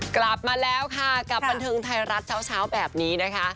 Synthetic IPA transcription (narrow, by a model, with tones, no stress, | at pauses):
kla˨˩p̚maː˧lɛː˦˥wkʰa˥˩ka˨˩p̚ba˧nt̪ʰɤː˧ŋt̪ʰa˧jɾa˦˥t̪̚t͡ɕʰaː˦˥˩wt͡ɕʰaː˦˥wbɛː˨˩p̚niː˦˥na˦˥kʰa˦˥ʔ